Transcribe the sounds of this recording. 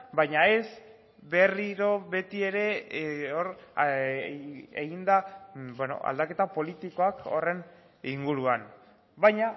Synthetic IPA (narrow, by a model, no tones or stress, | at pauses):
bajɲae̞z | βe̞riɾo̞βe̞t̪ie̞ɾe̞oɾ | eɣind̪abweno̞̰a̰ld̪ake̞t̪apo̞lit̪iko̞ako̰re̞n | iŋɡuɾuan | bajɲa